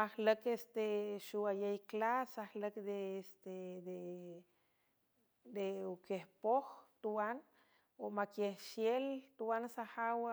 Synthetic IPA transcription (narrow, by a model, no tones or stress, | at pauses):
ahləkest̪eʃuajejklasahləkd̪eest̪ed̪e | d̪eukehpoxt̪uwan | omakehʃjelt̪uwansahaw